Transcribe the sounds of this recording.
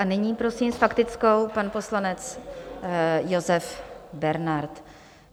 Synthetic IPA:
ʔanɪɲiːpɾo̞siːmsfakt̪ɪt͡sko̞wpanpo̞slanɛt͡s | jozɛfbɛɾnaɾt̪

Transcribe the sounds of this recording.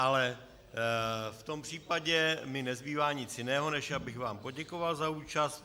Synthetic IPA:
ʔalɛ | ft̪o̞mpr̝̥iːpaɟɛmɪnɛzbiːvaːɲɪt͡sjɪnɛːɦo̞nɛʃjabɪxvaːmpo̞ɟɛkovalzauːt͡ʃast̪

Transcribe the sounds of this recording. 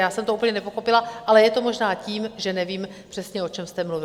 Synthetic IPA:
jaːsɛmt̪oʔupl̩ɲɛnɛpo̞xo̞pɪlaʔalɛjɛt̪omo̞ʒnaːciːmʒɛnɛviːm | pr̥ɛsɲɛo̞t͡ʃɛmst̪ɛmluvɪ

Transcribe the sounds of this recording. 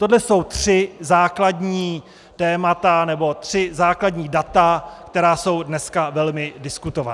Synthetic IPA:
t̪o̞dlɛso̞wt̪r̝̥ɪzaːkladɲiː | t̪ɛːmat̪anɛbo̞t̪r̝̥ɪzaːkladɲiːdat̪akt̪ɛɾaːso̞wdnɛskavɛlmɪdɪskut̪o̞va̰

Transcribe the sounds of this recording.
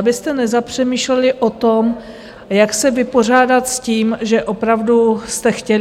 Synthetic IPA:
bɪst̪ɛnɛzapr̝̥ɛmiːʃlɛlɪʔo̞t̪o̞m | jaksɛvɪpo̞r̝aːdat̪sciːmʒɛʔo̞pɾavdust̪ɛxcɛl

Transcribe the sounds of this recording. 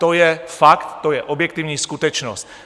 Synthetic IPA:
t̪ojɛfakt̪ːojɛʔobjɛkt̪ɪvɲiːskut̪ɛt͡ʃnost̪

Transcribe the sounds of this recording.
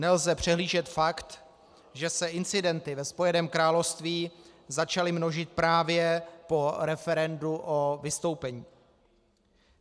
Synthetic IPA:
nɛlzɛpr̝̥ɛɦliːʒɛt̪fakt̪ | ʒɛsɛʔɪnt͡sɪdɛnt̪ɪvɛspo̞jɛnɛːmkɾaːlofst̪viːzat͡ʃalɪmno̞ʒɪt̪̚pɾaːvjɛpo̞ɾɛfɛɾɛnduʔo̞vɪst̪o̞wpɛɲiː

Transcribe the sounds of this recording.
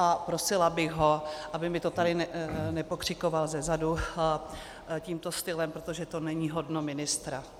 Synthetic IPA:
ʔapɾo̞sɪlabɪɣɦo̞ʔabɪmɪt̪o̞t̪adɪnɛnɛpo̞kr̥ɪko̞valzɛzadu | ciːmt̪o̞st̪ɪlɛmpɾot̪o̞ʒɛt̪o̞nɛɲiːɦo̞dno̞mɪnɪst̪ɾa

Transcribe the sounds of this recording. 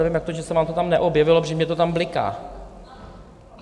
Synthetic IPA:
ɛvɪmjak̚t̪oʒɛsɛvaːmt̪ot̪amnɛʔobjɛvɪlopʒɛmɲɛt̪ot̪amblɪka̰ː

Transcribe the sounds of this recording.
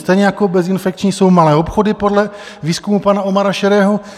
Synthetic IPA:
st̪ɛjɲɛjakobɛzɪnfɛk̚t͡ʃɲiːso̞wmalɛːopxodɪpodlɛ | viːskumupanao̞maɾaʃɛɾɛːɦo

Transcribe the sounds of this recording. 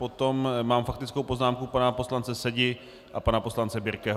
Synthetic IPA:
po̞t̪o̞mmaːmfakt̪ɪt͡sko̞wpo̞znaːmkupanapo̞slant͡sɛsɛɟɪ | ʔapanapo̞slant͡sɛbɪɾkɛːɦ

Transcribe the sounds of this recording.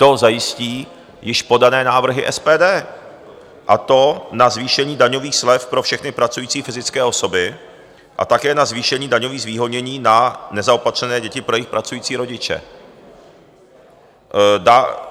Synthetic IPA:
t̪o̞zajɪsciː | jɪʃpo̞danɛːnaːvr̩ɦɪ̰ʔɛspɛːdɛː | ʔat̪o̞nazviːʃɛɲiːdaɲo̞viːxslɛfpɾofʃɛxnɪpɾat͡sujiːt͡siːfɪzɪt͡skɛːʔo̞so̞bɪ | ʔa̰t̪akɛːnazviːʃɛɲiːdaɲoviːɣzviːɦo̞dɲɛɲiːnanɛzaopat̪r̝̥ɛnɛːɟɛcɪpɾojɪxpɾat͡sujiːt͡siːɾo̞ɟɪt͡ʃɛ̰ | da

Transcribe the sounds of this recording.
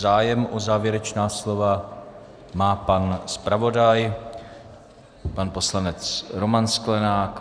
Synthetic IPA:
zaːjɛmʔozaːvjɛɾɛt͡ʃnaːslo̞va | maːpanspɾavo̞daj | panpo̞slanɛt͡sɾo̞mansklɛnaːk

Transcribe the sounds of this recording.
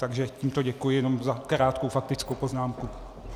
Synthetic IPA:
t̪aɡʒɛciːmt̪oɟɛkujɪjɛno̞mzakɾaːt̪kowfak̚t̪ɪt͡skowpo̞znaːmku

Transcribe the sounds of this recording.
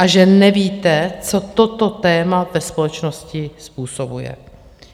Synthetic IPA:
ʔaʒɛnɛviːt̪ɛt͡so̞t̪ot̪o̞t̪ɛːmavɛspo̞lɛt͡ʃno̞scɪspuːsobujɛ̰

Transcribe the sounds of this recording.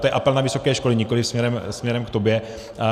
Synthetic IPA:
t̪ojɛʔapɛlnavɪso̞kɛːʃko̞liɲɪko̞lɪfsmɲɛɾɛmsmɲɛɾɛmkt̪o̞bjɛ

